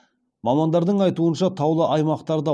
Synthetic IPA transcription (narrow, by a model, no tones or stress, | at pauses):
mɑmɑnd̪ɑɾd̪əɴɑjt̪uənʃɑt̪ʰɑwlˠəʔɑjmɑqt̪ɑɾd̪ɑ